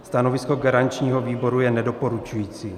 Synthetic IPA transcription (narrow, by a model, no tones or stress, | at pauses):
st̪ano̞vɪsko̞ɡaɾant͡ʃɲiːɦo̞viːbo̞ɾujɛnɛdo̞po̞ɾut͡ʃujiːt͡siː